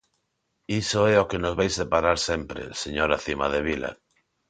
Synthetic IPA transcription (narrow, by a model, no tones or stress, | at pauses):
isoɛokenozβajsepaɾaɾsempɾḛseɲoɾaθimaðeβ̞ila̰